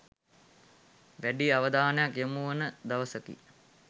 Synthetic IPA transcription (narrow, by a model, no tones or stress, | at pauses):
ʋæɖiaʋəd̪aːnəjakjemuʋənəd̪aʋəsəkḭ